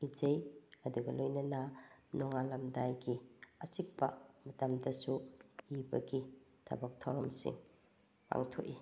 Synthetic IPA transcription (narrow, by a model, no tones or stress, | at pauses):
izejɐduɡɐlojnɐnɐnɔŋalɐmdajɡiɐsik̚pɐ̰mɐtamdɐsuibɐ̰ɡitʰɐ̰bɐk̚tʰɐwɾɐmsḭŋ | pa̰ŋtʰo̰ʔi